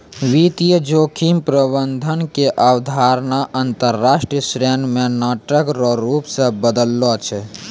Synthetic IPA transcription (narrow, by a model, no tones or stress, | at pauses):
ʋit̪ijəd͡ʒoːkʰimpɾəbənd̪ʱənkeʔawd̪ʱaɾnaʔənt̪əɾːaːʃʈɾiəsɾenmẽnaːʈəkɾɔɾupsə̃bəd̪əlːɔt͡ʃʰɛ